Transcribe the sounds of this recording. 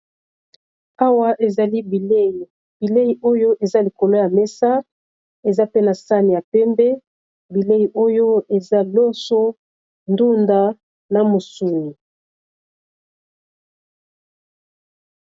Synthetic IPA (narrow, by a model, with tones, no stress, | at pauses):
a˦wa˦ʔe˨za˨li˦bi˨le˦ji˨ | b̥i˨le˦ji˨ʔo˦jo˦ʔe˨za˦li˨ko˨lo˦ja˨me˦sa˦ | e˨za˦pe˦na˨sa˦ni˨ja˨pɛ˦mbɛ˦ | bi˨le˦ji˨ʔo˦jo˦e˨za˦lo˦so˦ | ndu˦nda˦ | na˨mo˨su˨ni˨